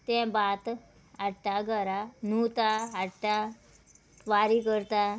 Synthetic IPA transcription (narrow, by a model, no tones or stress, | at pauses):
t̪ɛ̃bat̪ | aʈaɡʱəɾanut̪aaʈa | ʋaɾikəɾt̪a